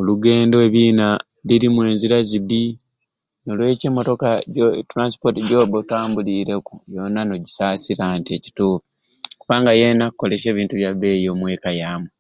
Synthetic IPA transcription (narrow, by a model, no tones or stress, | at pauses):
oluɡe̞ːndoeβiːna | liɾimwe̞ːnziɾazibi | nolwe̞ceːmoto̞katɾansi̥po̞tiɟoːbotaːmbuliɾe̞kujo̞nano̞ɟisaːsiɾantieci̥tuːfu | kuβaːŋɡaje̞nakːole̞ʃe̞ːβiːntuβjaβe̞jo̞ːmwe̞ːkajaːmwe